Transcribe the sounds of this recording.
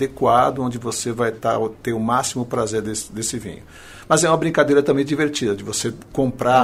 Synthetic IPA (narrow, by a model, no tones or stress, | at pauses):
ekwad̪ʊõnd͡ʒɪvosevajt̪a̰ʊt̪eɾʊmasimʊpɾazeɾd̪esɪd̪esɪvḭ̃ɲʊ | mɐzɛũmɐbɾĩŋkad̪ejɾɐt̪ɐ̃mbẽj̃d͡ʒiveɾt͡ʃid̪ɐd͡ʒɪvosekõpɾa